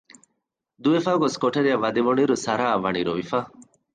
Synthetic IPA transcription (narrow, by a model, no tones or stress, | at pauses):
d̪uefaːɡoskoʈɐɾijɐʋːɐd̪eʋoɳiɾusɐɾaːɐʋɐɳiɾoʋifaː